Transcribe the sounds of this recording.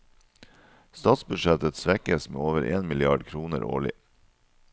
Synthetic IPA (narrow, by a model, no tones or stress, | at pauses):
st̪ɑːt̪sbʉʃɛt̪ət̪sʋɛkəsmḛːoːʋəɾʔeːnmɪlɪɑːɖkʰɾuːnə̰ɾʔo̰ːɭɪ̰